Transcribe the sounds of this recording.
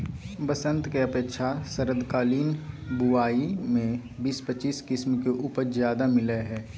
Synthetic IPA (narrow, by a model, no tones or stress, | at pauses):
bəsə̃nt̪keɐpeːkʃʰasəɾəd̪ʱkaːliːnbuaːimẽbiːspət͡ʃiːskɪsmkeʔuːpəɾzjaːd̪amɪleɦɛː